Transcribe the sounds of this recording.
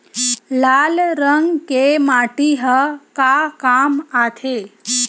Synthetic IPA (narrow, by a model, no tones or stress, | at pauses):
lalɾəŋɡkemaʈiɦəkakamat̪ʰe